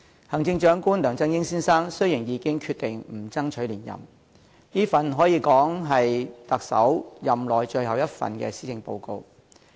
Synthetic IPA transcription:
hɐ˨˩ŋt͡sɪ˧ŋt͡ʃœː˨˥ŋkuː˥nlœː˨˩ŋt͡sɐ˥ŋjɪ˥ŋsiː˥nsaː˥ŋsɵ˥ɥji˨˩ŋjiː˨˧kɪ˥ŋkʰyː˧t̪ɪ˨ŋm̩˨˩t͡sɐ˥ŋt͡ʃʰɵ˨˥ɥliː˨˩njɐ̰˨m | niː˥fɐ˨nɦɔː˨˥jiː˨˧kɔː˨˥ŋɦɐ˨jt̪ɐ˨k̚sɐ̰˨˥wjɐ˨mlɔː˨jt͡ʃɵ˧ɥhɐ˨wjɐ˥t̚fɐ̰˨nkɛ̰ː˧siː˥t͡sɪ˧ŋpo̰˧wko˧w

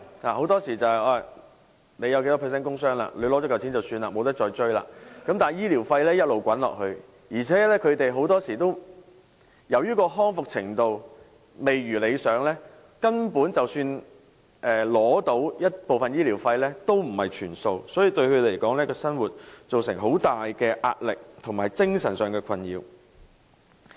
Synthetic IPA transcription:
la̰ː˨˩ho˨˥wt̪ɔː˥siː˨˩t͡sɐ˨hɐ˨jʔaː˧˩ | ne˨˧jɐ˧ke˨˥t̪ɔ˥pʰɛ˨˩s̬ɛː˥nkʊ˥ŋsœː˥ŋla̰ː˧le˨˧jlɔː˨˥t͡ʃɔː˨˧˥kɐ˨wt͡sʰi˨˥nt͡sɐ˨wsyː˧nlaː˨˩mo˨˧wt̪ɐ˥t̚t͡ʃɔː˧jt͡ʃɵ˥ɥla̰ː˧˨kɐ˨˥mt̪aː˨˩˨jiː˥liː˨˩wfɐ˧jlɛː˥jɐ˥t̚lo˨wkʷɐ˨˥nlɔ̰ː˨k̚hɵ˧ɥ | jiː˨˩t͡sʰɛː˨˥lɛː˥kʰɵ˨˧ɥt̪e˨jɦo˨˧˥wt̪ɔː˥siː˨˩t̪o˥w | jɐ˨˩wjyː˥kɔː˧ɦɔː˥ŋfʊ˨k̚t͡sʰɪ˨˩ŋt̪o˨w | me˨jɥyː˨˩le˨˧jsœː˨˧ŋlɛː˥ | kɐ˥npuː˨˥nt͡sɐ˨wsyː˧n | ʔɛː˨˩lɔː˨˥t̪o˨˥wjɐ˥t̚po˨wfɐ˨njiː˥liː˨˩wfɐ˧jlɛː˥t̪o˥wm̩˨˩hɐ˨˩jt͡ʃʰyː˨˩nso˧wsɔː˨˥jiː˨˧t̪ɵ˧ɥkʰɵ˨˧le˨˩jkɔː˨˥ŋlɛː˥kɔː˧sɐ˥nwuː˨˩t̚t͡so˨wsɪ˨˩ŋɦo˨˥wt̪aː˨jkɛː˧ʔa̰ː˧t̚lɪ˨k̚t̪ʰʊ˨˩ŋmaː˨jt͡sɪ˥ŋsɐ˨˩nsœː˨˩ŋkɛː˧kʰɐ˧njḭː˧w

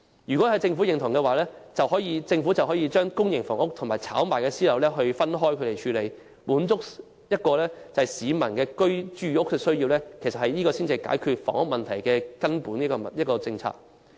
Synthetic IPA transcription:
jyː˨˩kɔ˨˥hɐ˨˧jt͡sɪ˧ŋfu˨˥jɪ˨ŋt̪ʰʊ˨˩ŋkɛː˧waː˨˩lɛː˥t͡sɐ˨whɔː˨˥jiː˧t͡sɪ˧ŋfu˨˥t͡sɐ˨wɦɔ˨˥jiː˧t͡ʃœː˥ŋkʊ˥ŋjɪ˨˩ŋfɔ̰ː˨˩ŋʊ˥k̚t̪ʰʊ˨˩ŋmaː˨˩t͡sʰa̰ː˨˥wmaː˨˩jkɛː˧siː˥lɐ˨˩wlɛː˥ɦɵ˧ɥfɐ˥nɦɔː˥jkʰɵ˨˧ɾe˨jt͡ʃʰyː˨˧le˨˧j | puː˨˥nt͡sʊ˥k̚ | jɐ˥t̚kɔː˧lɛː˥t͡sɐ˨˩hɐ˨˩jsiː˨˧mɐ˨˩nkɛː˧kɵ˥ɥt͡ʃyː˥˩ʊ˥k̚sɛː˧sɵ˥ɥjiː˧wlɛː˥kʰe˨˩sɐ˨t̚hɐ˨jniː˥kɔː˧siː˥nt͡si˨˧jka̰ː˨˥jkʰyː˧t̚fɔ̰ː˨˩ŋʊ˥k̚mɐ˨nt̪ʰɐ˨˩jkɛː˧kɐ˥npuː˨˥niː˥kɔ˧˨jɐ˥t̚kɔː˧t͡sɪ˧ŋt͡sʰa̰ː˧k̚

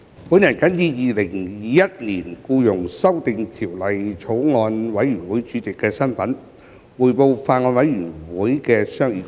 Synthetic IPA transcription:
puː˨˥nɐ˨˩nkɐ˨˥njiː˧˥jiː˨˧lɪ˨˩ŋː˧jɐ˥t̚niː˨˩nkuː˧jʊ˨˩ŋsɐ˥wt̪ɪ˧ŋt̪ʰi˨˩wlɐ˨jt͡sʰo˨˥wŋɔː˧nwɐ˨˥jyː˨˩nwuː˨˦˥jt͡ʃyː˨˥t̪i˨˩kːɛː˧sɐ˥nfɐ˨˥n | wuː˨˩jpo˧wfaː˧tŋɔː˧nwɐ˨˥jɥyː˨˩nwuː˨˥jkɛː˧sœː˥ŋjiː˧

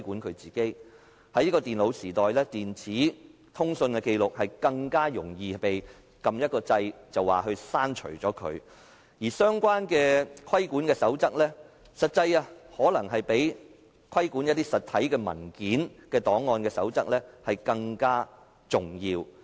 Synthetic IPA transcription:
kuː˨˥nkʰɵ˨˧ɥt͡siː˨˩ke˥j | hɐ˨˥jni˥kɔː˧t̪iː˨˩nlo˨˧wsiː˨˩t̪ɔː˨jlɛː˥t̪iː˨nt͡sʰiː˨˥ | t̪ʰʊ˥ŋsɵ˧nkɛ˧ke˧jlʊ˨k̚hɐ˨jkɐ˧ŋkaː˥jʊ˨˩ŋjiː˨˧pe˨j | kɐ˧mjɐ˥t̚kɔː˧t͡sɐ˧jt͡sɐ˨wa̰ː˨˩ɦɵ˧ɥsaː˥nt͡ʃʰɵ̰˨˩t͡ʃɔː˨˥kʰɵ̰˨˧ɥ | jiː˨˩sœː˥ŋkʷwaː˥nkɛː˧kʰɐ˥jkuː˨˥nkɛː˧sɐ˨˥wt͡sɐ˥k̚lɛː˥ | sɐ˨t̚t͡sɐ˧ja˧hɔː˨˥lɐ˨˩ŋɦɐ˨jpe˨˥j | kʰwɐ˥jkuː˨˥njɐ˥t̚t̪iː˥sɐ˨t̪̚ʰɐ˨˥jkɛː˧mɐ̰˨˩nkiː˨˥nkɛː˧t̪ɔː˨˥ŋːɔː˧nkɛː˧sɐ̰˨˥wt͡sɐ˥k̚lɛː˥hɐ˨jkɐ˧ŋkaː˥ | t͡sʊ˨ŋjiː˧w

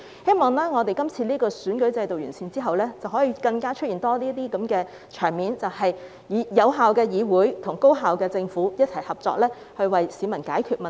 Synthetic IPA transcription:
he˥jmɔː˨ŋlɛː˥ŋɔː˨˧t̪e˨˩jkɐ˥mt͡sʰiː˧liː˥kɔː˧syː˨˥nkɵ˨˥jt͡sɐ˧jt̪o˨wjyː˨˩nsiː˧nt͡siː˥ɦɐ˨wlɛː˥t͡sɐ˨˩wɦɔː˨˥jiː˨˧˥kɐ˧ŋkaː˥t͡ʃʰɵ˥t̚jiː˨˩nt̪ɔː˥niː˥t̪iː˥kɐ˨˥mkɛː˧ | t͡ʃʰœː˨˩ŋmiː˨˧nt͡sɐ˨whɐ˨j | jiː˨˧jɐ˨˧wɦaː˨wkɛː˧jiː˨˧wuː˨˥jt̪ʰʊ˨˩ŋko˥wɦaː˨wkɛː˧t͡sɪ˧ŋfuː˨˥jɐ˥t̚t͡sʰɐ˨˩jhɐ˨p̚t͡sɔ̰ː˧k̚lɛː˥ | hɵ˧ɥwɐ˨jsiː˨˧mɐ˨˩nkaː˨˥jkʰyː˧t̚mɐ˨

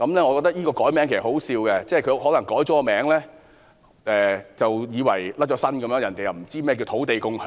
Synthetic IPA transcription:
kɐ˨˧mlɛː˥ŋɔ˨˧kɔː˧k̚t̪ɐ˥k̚jiː˥kɔː˧kɔː˨˥jmɛː˨˥ŋkʰe˨˩s̚ho˨˥wsiː˧wkɛ˧t͡sɛː˥˨jkʰɵ˧ɦɔː˨˥lɐ˨˩ŋkɔː˨˥jt͡ʃɔː˨˥kɔː˧mɛː˨˥ŋlɛː˥ | ʔɛː˨t͡sɐ˨wjiː˨˧wɐ̰˨˩jlɐ˥t̚t͡ʃɔː˨˥sɐ˥nkɐ˨˦mjœː˧˥ŋjɐ˨˩nt̪e˨jɐ˨˩wm̩˨˩t͡siː˥mɛː˥˩k̬i˧t̪ʰo˨˥wt̪e˨jkʊ˥ŋʰ˨

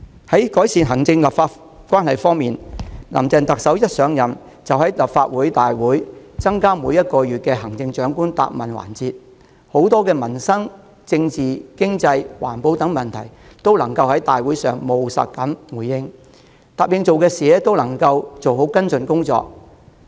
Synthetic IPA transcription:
hɐ˨˥jkɔː˨˥jsiː˨nɦɐ˨˩ŋt͡sɪ˧ŋlɐ˨p̚faː˧t | kʷwaː˥nhɐ˨˩jfɔː˥ŋmiː˨nlɐ̰˨˩mt͡sɛː˨˧nt̪ɐ˨k̚sɐ˨˥wjɐ˥t̚sœː˨˥ŋjɐ˨˩n | t͡sɐ˨whɐ˨˥jlɐ˨p̚faː˧t̚wuː˨˥jt̪aː˨jwuː˨˥j | t͡sɐ˥ŋkaː˥muː˨˧jɐ˥t̚kɔː˧jyː˨t̚kɛː˧ɦɐ˨˩ŋt͡sɪ˧ŋt͡ʃœː˨˥ŋkuː˥nt̪a̰ː˧˨p̚mɐ˨nwa̰ː˨˩nt͡siː˧t̚ | ho˨˥wt̪ɔː˥kɛː˧mɐ˨˩nsɐ˥ŋ | t͡sɪ˧ŋt͡siː˨kɪ˥ŋt͡sɐ˧jwa̰ː˨˩npo˨˧wt̪ɐ˨˥ŋmɐ˨˩nt̪ʰɐ˨˩jt̪o˥wlɐ˨˩ŋkɐ˧whɐ˨˥jt̪aː˨jwuː˨˥jsœː˨ŋmo˨wsɐ̰˨t̚kɐ˨˥mwuː˨˩jːɪ˧ŋ | t̪aː˨˩p̚jɪ˧ŋt͡so˨wkɛː˧sɛː˨˦t̪o˥wlɐ˨˩ŋkɐ˧wt͡so˨who˨˥wkɐ˥nsɵ˨˧nkʊ˥ŋt͡sɔ̰ː˧k̚

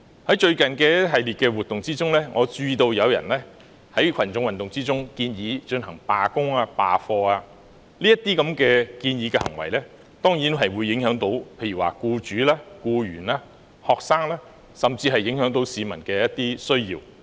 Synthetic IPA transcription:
hɐ˨˥jt͡ʃɵ˧ɥkɐ˨nkɛː˧ɦɐ˨jliː˨t̚kɛː˧wuː˨t̪ːʊ˨ŋt͡siː˥t͡sʊ˥ŋlɛː˥ŋʔɔː˨˧t͡ʃyː˧t̪o˧wjɐ˨˧wjɐ̰˨˩nlɛː˥ | hɐ˨˥jkʰɐ˨˩nt͡sʊ˧ŋwɐ˨nt̪ʊ˨ŋt͡siː˥t͡sʊ˥ŋkiː˧njiː˨˧t͡ʃɵ˧nɦɐ˨˩ŋpaː˨kʊ˥ŋaː˧paː˨fɔː˧aː˧ | liː˥ɐ˥t̪̚iː˥kɐ˨˧˥mkɛː˧kiː˧njiː˨˧kɛː˧hɐ̰˨˩ŋwɐ̰˨˩jlɛː˥ | t̪ɔː˥ŋji˨˥nɦɐ˨jwuː˨˧jːɪ˨˥ŋhœː˨˥ŋt̪o˨˥wpʰe˧jyː˨˩waː˨˩kuː˧t͡ʃyː˨˥laː˥kuː˧jyː˨˩nlaː˧˥ | hɔː˨k̚saː˥ŋlaː˥ | sɐ˨mt͡siː˧ɦɐ˨jːɪ˨˥ŋhœː˨˥ŋt̪o˨˥wsiː˨˧mɐ˨˩nkɛː˧jɐ˥t̪iː˥sɵ˥ɥjiː˧w

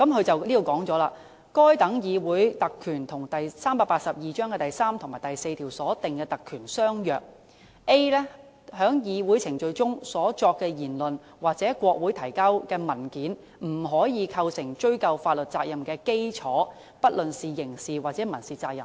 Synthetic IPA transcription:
kɐ˨˥mkʰɵ˨˧ɥt͡sɐ˨wliː˥o˨˧wkɔː˨˥ŋt͡sɔː˨˥laː˧ | kɔː˥jt̪ɐ˨˥ŋjiː˨˧wuː˨˥jt̪ɐ˨kʰːyː˨˩nt̪ʰʊ˨˩ŋt̪ɐ˨jsaː˥mpaː˧t̚paː˧t̚sɐ˨p̚jiː˨t͡ʃœː˥ŋkɛː˧t̪ɐ˨jsaː˥mt̪ʰʊ˨˩ŋmaː˨˩jt̪ɐ˨jse˧jt̪ʰiː˨˩wsɔː˨˥t̪ɪ˨ŋkɛː˧t̪ɐ˨kʰːyː˨˩nsœː˥ŋjœː˨k̚ | ʔe˥lɛ˥ | hœː˨˥ŋjiː˨˧wu˨˥jt͡sʰɪ˨˩ŋt͡ʃɵ˧ɥt͡sʊ˥ŋsɔː˨˥t͡ʃɔː˧k̚kːɛː˧jiː˨˩nlɵ˨n | waː˨k̚t͡sɛː˨˥kʷɔː˧k̚wuː˨˥jt̪ʰɐ˨˩jkɐ˥wkɛː˧mɐ˨˩nkiː˨˥n | m̩˨˩ɦɔː˨˥jiː˨˧kʰɐ˧wsɪ˨˩ŋt͡ʃɵ˥ɥkɐ˨˧wfaː˧t̚lɵ˨t̚t͡saː˧k̚jɐ˨mkɛː˧ke˥jt͡sʰɔː˨˥ | pɐ˥t̚lɵ˨nsiː˨jɪ˨˩ŋsiː˨˩waː˨˩t͡sɛː˨˥mɐ˨˩nsiː˨˩t͡saː˧k̚jɐ̰˨

